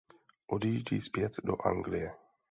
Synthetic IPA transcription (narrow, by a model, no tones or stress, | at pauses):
ʔod̪iʒɟḭːspjɛt̪do̰ʔa̰ŋɡlɪjɛ